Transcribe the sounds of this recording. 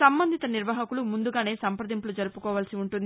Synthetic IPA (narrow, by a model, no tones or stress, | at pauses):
sɐmbɐnd̪ʱit̪ɐniɾʋaːɦɐkulumund̪uɡaːne̞ːsɐmpɾɐd̪impulud͡ʒɐɾupukɔːʋaːlɐsiuɳʈund̪